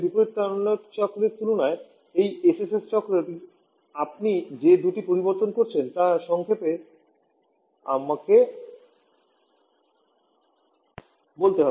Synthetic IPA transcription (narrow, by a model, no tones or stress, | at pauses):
b̪ipoɾit̪ːanott͡ɕɔkːɾeɾt̪ulonae | ejesesest͡ɕɔkɾeʈi | ap̚nid͡ʑed̪uʈipoɾiboɾt̪onkoɾt͡ɕʰent̪aʃɔŋkʰepe | a̰make | bolt̪eɦɔbe